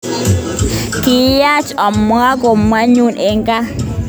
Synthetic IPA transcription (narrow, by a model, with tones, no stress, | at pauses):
ki˨ja˦t͡ʃɔ˨mː˦a˦ɡo˨mwa˦ɲu˦˨nʔe˨ŋɡa˦